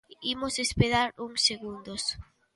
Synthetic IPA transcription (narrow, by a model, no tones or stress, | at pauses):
imosespeɾaɾuŋseɣund̪os